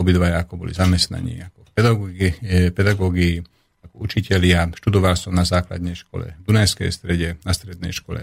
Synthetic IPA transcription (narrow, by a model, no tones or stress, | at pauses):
ɔbid̪ʋajaakɔbɔlḭzamɛst̪na̰ɲḭːakɔpɛ | pɛd̪aɡɔɡii | akɔut͡ʃicɛlɪaʃt̪ud̪ɔʋalsɔmnazaːkla̰d̪ɲɛjʃkɔ̰lɛ̰d̪unajskɛ̰jst̪ɾɛɟɛnast̪ɾɛd̪nɛ̰jʃkɔlɛ̰